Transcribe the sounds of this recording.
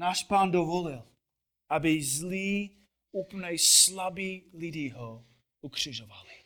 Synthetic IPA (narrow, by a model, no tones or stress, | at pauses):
naːʃpaːndovolɪl | ʔabɪzliː | upənɛjslabiːlɪdiɦo | ʔukr̝̥ɪʒovalɪ